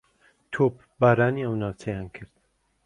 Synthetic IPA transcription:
t̪ʰoːp | baːɾaːniɐwnaːwt͡sʰɛjaːnkʰɨɾd̪

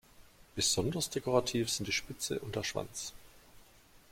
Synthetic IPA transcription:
b̥əz̥ɔndɐsd̥ekʰoʁatʰiːfz̥ɪntd̥iːʃpɪt͡sə̰ʔʊnd̥ɛɐʃv̥a̰nt͡s

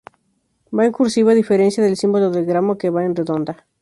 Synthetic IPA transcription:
baiŋkuɾsiβaðifeɾensjaðelsĩmboloðelɡɾamokeβaenreðõ̞nd̪a

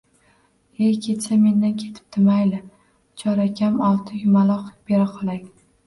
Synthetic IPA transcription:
ekʲʰe̞t̪same̞nd̪ankʲʰe̞t̪ʰɪ̥p̚t̪ʰɪmajlɪ | t͡ʃʰɒɾakʲʰamɒlˠt̪ʰɪjʊmalˠɒqb̥eɾaqʰɒlˠakʲ

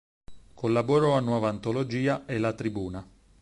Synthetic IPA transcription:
kʰolːaboɾɔanːwɔːvaːnt̪olod͡ʒiːaelat̪ɾibuːna

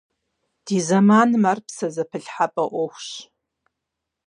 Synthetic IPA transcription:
d̥iːzɐmaːnɨmarpsɐzɐpʰɨɬħapʼɐʔʷɔxʷɕ

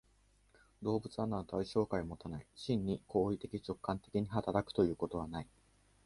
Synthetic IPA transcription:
d̪o̞ːbɯ̟t͡sɨanːat̪aiɕo̞ːkaimo̞t̪anaiɕĩɲ̟ːikʰo̞ːit̪e̞kʲit͡ɕo̞kːãnt̪e̞̥kʲiɲ̟iɦat̪aɾakɯ̥o̞jɯ̟ːko̞t̪o̞βanai

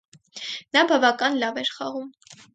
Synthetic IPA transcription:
nɑbɑvɑkɑnlɑvɛɾχɑʁum

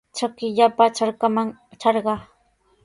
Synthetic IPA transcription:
t͡ʃakɪʎapat͡ʃaɾkamaŋt͡ʃaɾɢɑ

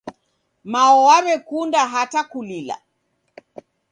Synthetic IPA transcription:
maɔwaɾɛkundaɦatakulila̰

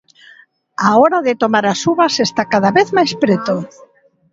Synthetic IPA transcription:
aɔɾaðet̪omaɾasuβasest̪akaðaβeθmajspɾet̪o

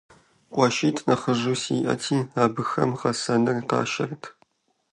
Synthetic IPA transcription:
qʷʼɑʃiːtʰnɐχəʒuːsiːʔɐ̰tʰiːaːbɨxɐ̰mχɐsɐnɨrqɑ̰ːʃɐrtʰ

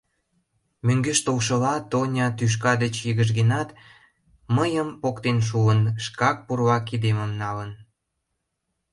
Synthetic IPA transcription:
møŋɡeʃt̪olʃə̆lɑt̪onʲɑt̪yʃ̬kɑd̪et͡ɕjəɣəʒ̬ɡenɑt̪ | məjəmpokt̪enʃ̬uənʃkɑk̚purβɑkid̪emə̆mnɑlən

